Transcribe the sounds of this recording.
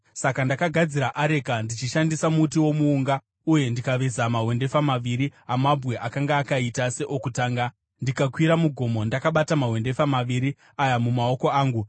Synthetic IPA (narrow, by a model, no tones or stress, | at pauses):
sakandakaɡʱad͡ziɾaʔaɾe̞kandit͡ʃiʃandisamutiwo̞muːŋɡa | uje̞ndikaʋezamaɦwe̞nde̞famaʋiɾiamabʱwe̞ʔakaŋɡaːkaitase̞ʔokutaːŋɡa | ndikakwiɾamuɡʱo̞mo̞ndakaɓatamaɦwe̞nde̞famaʋiɾi | ajamumao̞ko̞aːŋɡu